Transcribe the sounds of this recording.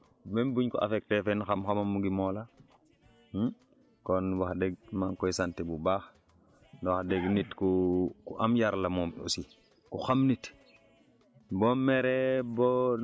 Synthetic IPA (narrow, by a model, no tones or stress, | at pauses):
membuɲkɔa̰fek̚tefenxamxamamuɡimola | konwaxdeɡ̚maŋkojsantibubax | nwaxdeɡnitkukuʔamjaɾlamomṵsi | kuxamnit | bomeɾebo